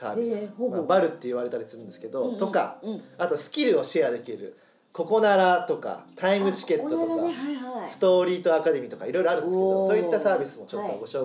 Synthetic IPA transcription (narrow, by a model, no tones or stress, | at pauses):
sa̰ːbʲisɨbaɾɯ̟t̪ːe̞iβ̞aɾe̞t̪aɾʲisɨɾɯ̃nd̪esɨ̥ke̞d̪o̞t̪o̞ka̰at̪o̞sɨ̥kʲiɾɯ̟o̞ɕiad̪e̞kʲiɾɯ̰ | ko̞ko̞naɾat̪o̞ka̰t̪aimɯ̟t͡ɕi̥ke̞t̪ːot̪okasɨ̥t̪o̞ːɾʲiːt̪o̞akad̪e̞mʲit̪o̞ka̰iɾo̞jɾo̞aɾɯ̟̃d̪seosoːit̪ːasaːbʲisɨmo̞t͡ɕot̪ːoɡo̞ɕo̞ː